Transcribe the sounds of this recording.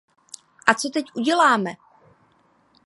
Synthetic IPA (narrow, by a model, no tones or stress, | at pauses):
ʔat͡sot̪ɛcʔuɟɛlaːmɛ